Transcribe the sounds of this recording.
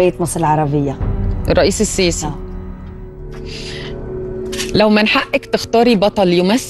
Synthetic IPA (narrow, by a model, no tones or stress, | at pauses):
ejet̪mɑsˤɾˤɪlʕɑɾˤɑbɪjːaʔrˤːɑʔiːsɪsːiːsæ | læwmænħaʔːɪkt̪ɪxt̪ɑːɾibɑt̪ˤɑljʊmæθː